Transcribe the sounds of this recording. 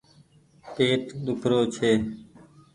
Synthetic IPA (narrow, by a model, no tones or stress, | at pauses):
peːʈɗ̪ʊkʰɾoːt͡ʃʰeː